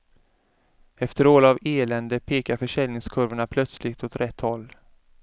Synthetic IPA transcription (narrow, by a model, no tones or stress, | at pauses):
ɛft̪əɾoːlaveːlɛnd̪əpʰeːkaɾfœʂɛlnɪŋskʰɵɾvəɳapʰlœt̪slɪɡt̪ɔt̪ɾʔɛt̪ʰːhɔlː